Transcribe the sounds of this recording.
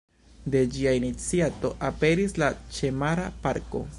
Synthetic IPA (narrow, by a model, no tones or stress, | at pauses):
de̞d͡ʒiainit͡siato̞ʔape̞ɾislat͡ʃe̞maɾapaɾko̞̰